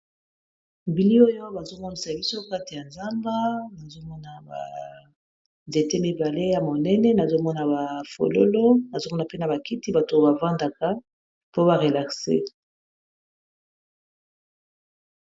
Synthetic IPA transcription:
bi˨li˦o˦jo˦ba˨zo˦mɔ˦ni˨sa˨bi˦so˦ka˦ti˨ja˨nza˦mba˦na˨zo˦mɔ˦na˨ba̰˨ | nze˨te˦mi˨ba˨le˦ja˨mo˨nɛ˦nɛ˦na˨zo˦mɔ˦na˨ba˨fo̰˨lo̰˦lo˦na˨zo˦mɔ˦na˨pe˦na˨ba˨ki˦ti˦ba˨to˨˦ba˨vã˦nda˨ka˦ | po˦ba˨ʁe˨la˨ksḛ˦

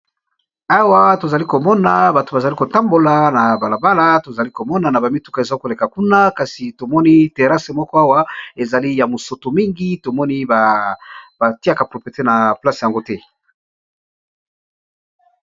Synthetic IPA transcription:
a˦wa˦to˨za˨li˦ko˨mɔ˦na˨ba˨to˨ba˨za˨li˦ko˨ta˦mbo˨la˨na˨ba˨la˨ba˦la˦to˨za˨li˦ko˨mɔ˦na˨na˨ba˨mi˦tu˦ka˨e˨za˦i˦ko˨le˨ka˨ku˦na˦ka˨si˨to˨mɔ˦ni˦te˨ʁa˦se˨mɔ˦kɔ˦a˦wa˦e˨za˨li˦ja˨mo˨so˨to˨mi˦ŋɡi˦to˨mɔ˦ni˦ba˨ | ba˨ti˦a˦˨ka˨pʁo˨pi˨e˨te˦na˨pla˦sja˨ŋɡo˦tɛ˦

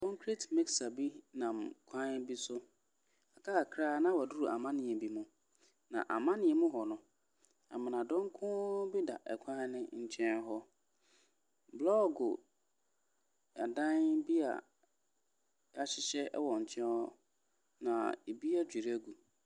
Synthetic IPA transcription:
kʰɔ̃˦ŋkʰɾe˦tmɪ˦ksa˨bi˦nã˨mkʷʰã˦n˦bi˦sʊ˦ | a˨kʰa˦˨kʰɾaː˦nã˦wa˨du˦ɾu˨ʔa̰˨mã˦nɪ̃˨ɛ˨bi˨mʊ̃˨ | nã̰˨ʔa˨mã˦nɪ̃˨ɛ˨mʊ̃˦ɦɔ˨nʊ̃˦ | a̰˨mɪ̃˨nã˨dɔ̃˦ŋ˦kʰʊ̃˦bi˦da̰˨ʔɛ˨kʰã˦nɪ̃˦ɲ̩˨t͡ɕʰɛ̃˦nɦɔ˦ | blɔ˦ɡʊ˨ | a˨dã˦nbi˦a̰˨ | a˨ɕɪ˦ɕɛ˦ɛ˦wɔ˨ɲ̩˨t͡ɕʰɛ̃˦nhɔ˦ | nã̰˨e˨bi˦a˦d͡ʑᶣi˨ɾæ˦ɡu˨

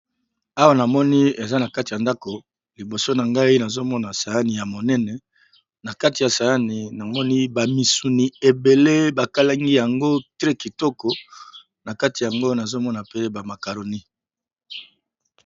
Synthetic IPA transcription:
a˦wa˨na˨mɔ˦ni˦e˨za˦na˨ka˦ti˨ja˨nda˦ko˨ | li˨bo˨so˦na˨ŋɡa˦i˦na˨zo˦mɔ˦na˨sa˨ja˦ni˨ja˨mo˨nɛ˦nɛ˨ | na˨ka˦ti˨ja˨sa˨ja˦ni˨na˨mɔ˦ni˦ba˨mi˨su˨ni˨e˨be˨le˦ba˨ka˦la˦ŋɡi˦ja˨ŋɡo˦tʁɛ˦ki˨tɔ˦kɔ˨ | na˨ka˦ti˨ja˨ŋɡo˦na˨zo˦mɔ˦na˨pe˦ba˨ma˨ka˨ɾo˨ni˦

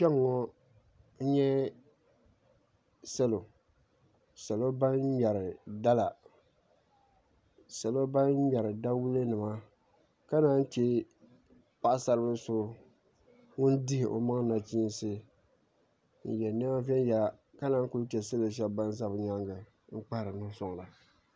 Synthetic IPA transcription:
pɛ˦ŋːɔ˦ | n̩˦ɲɛ˦ | sɛ˦lo˨ | sa˨lo˦ba˦n˦ɲa˨ɾɪ˨da˦la˨ | sa˨lo˦ba˦n˦ɲa˨ɾɨ˨da˦wu˦lɨ˦nɨ˨ma˦ | ka˦naː˦n̩˦t͡ʃɛ˦ | pa˦ʔa˦sa˨ɾɨ˦bɨ˦so˦ | ŋʊ˦ndɪ˦hɪ˨ʔo̰˨ma˦ŋ˦na˨t͡ʃiː˦n˦sɨ˦ | n̩˨jɛ˨nɛ˦a˦vɛ˦n˦ja˦˨ka˦naː˦ŋku˦t͡ʃɛ˨sa˦lo˨ʃ̬ɛ˦bba˦n˦za˦bɨ˨ɲa˦ŋɡɨ˨ | ŋ̩˦k͡pa˦ɾɨ˨nʊ˦sɔ˦ŋ˨la˨

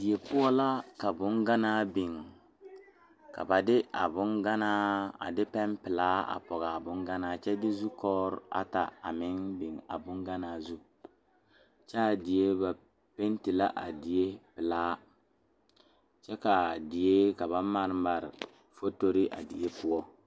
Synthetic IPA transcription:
dɪ˨je˨pʊ˦ɔ˦la˦ka˨bʊ˦ŋɡa˦naː˦bɪ˨ŋ | ka̰˨ba˨dɪ˦a˨bʊ˦ŋɡa˦naː˦a̰˨dɪ˦pɛ˦npɪ˨laː˦a̰˨pɔ˨ɣa˨a˨bʊ˦ŋɡa˦naː˨˦˨t͡ʃɛ˦dɪ˦zu˦kɔː˦ɾa̰˦ta̰˨a˨mɪ˦ŋbɪ˨ŋa̰˨bʊ˦ŋɡa˦naː˦˨zu˦ | t͡ʃɛ˦a˨dɪ˨je˦ba˨ | pe˦nti˨la˦ʔa˨dɪ˨je˦pɪ˨laː˦ | t͡ʃɛ˦ka˨dɪ˨je˦ka˨ba˨ma˨ɾma˨ɾɪ˨ | fo˦to˦ɾɪ˦ʔa̰˨dḭ˨je˦pʊ˦ɔ˦

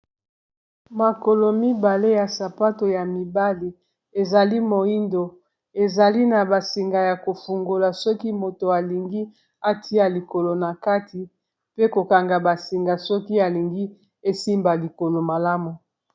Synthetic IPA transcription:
ma˨ko˨lo˨mi˦ba˨le˦ja˨sa˨pa˦to˨ja˨mi˨ba˦li˨ | e˨za˨li˦mo˨i˦ndo˨ | e˨za˨li˦na˨ba˨si˨ŋɡa˨ja˨ko˨fu˨ŋɡo˨la˨sɔ˦ki˦mo˨to˨a˨li˨ŋɡi˦ | a˨ti˦a˨li˨ko˨lo˨na˨ka˦ti˨ | pe˦ko˨ka˨ŋɡa˨ba˨si˨ŋɡa˨sɔ˦ki˦a˨li˨ŋɡi˦ | e˦si˦mba˨li˨ko˨lo˨ma˨la˦mu˨

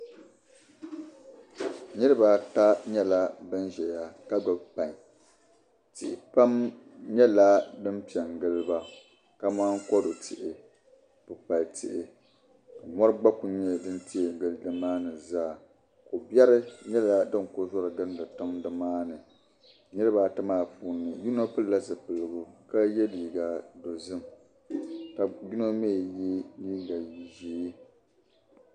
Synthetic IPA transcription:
nɨ˦ɾɨ˦ba˨ta˦ɲɛ˦la˦bɨ˦nʒɛ˨ja˨ka˦ɡ͡ba˨bpa˨ɲ˨ | tɪ˨ʔɪ˨pa˦m | ɲɛ˦la˦dɨ˦mpi˨ɛ˨ŋ˨ɡɨ˦lɨ˦ba˦ | ka˦maː˦ŋ˦kɔ˦do˨tʰɪ˨ʔɪ˨ | pʊ˨pa˨ltʰɪ˨ʔɪ˨ | ka˨mɔ˦ɾɨ˦ɡ͡ba˦ku˨ɲɛ˦dɨ˦nti˦e˨ɡɨ˦ldɨ˦maː˦nɨ˨zaː˦˨ | kʊ˨bjɛ˦ɾɨ˦ɲɛ˦la˦dɨ˦ŋ˨kʊ˦zɔ˦ɾɨ˨ɡɨ˦n˦dɨ˨tʊ˦mdɨ˨maː˦nɨ˨ | ɲɛ˦ɾɨ˦ba˨ta˦maː˦˨puː˦nːɨ˨ju˦no˦pɨ˦lla˦sɨ˨pɨ˨lɨ˨ɡʊ˨ka˦jɛ˦liː˨ɡa˨do˨zɨ˦m | ka˨ju˦no˦meː˦˨ji˦niː˦ɡa˨ji˨ʒeː˨˦

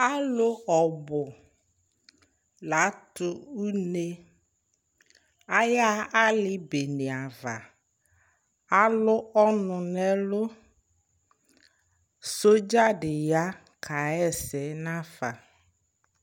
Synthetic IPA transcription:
a˦lʊ˦ɔ˨bʊ˨ | la˨˦tʊ˦u˦ne˦ | a˦ja˦a˦lɪ˦be˨ne˨a˨va˨ | a˦lʊ˦ɔ˦nʊ˨nɛ˦lʊ˦ | so˦d͡ʒa˦ɖɪ˨ja˦ | kʰa˨ɛ˦˨sɛ˨˦nã˦fa˨

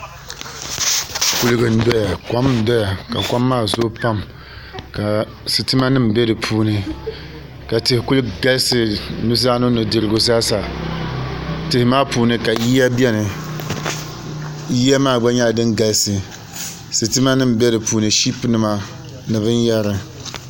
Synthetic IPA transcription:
ku˨lɨ˦ɡɨ˨n̩˦dɔ˦ja˨kʷa˦m˦n̩˨dɔ˦ja˨ka˨kʷa˦mːaː˦˨zo˦pa˦m | ka˨ | sɨ˨tɨ˦ma˦nɨ˦m̩˨be˦dɨ˨pʰuː˦nɨ˨ | ka˨tɪ˨hɪ˨ku˦lɡa˦lsɨ˨nu˦zaː˦nʊ˦no˨dɨ˨lɨ˨ɡʊ˨za˦sa˨ | tɪ˨hɪ˨maː˦puː˨nɨ˦ka˨ji˦a˦bi˦ɛ˦nɨ˨ | ji˦a˦maː˦˨ɡ͡ba˦ɲa˦˨dɨ˦ŋɡa˨lsɨ˨ | sɨ˨tɨ˦ma˦nɨ˦m˨bɛ˦ɾɨ˨puː˨nɨ˨ʃi˦pnɨ˨ma˦ | nɨ˨βɨ˦njɛ˦ɾɨ˨

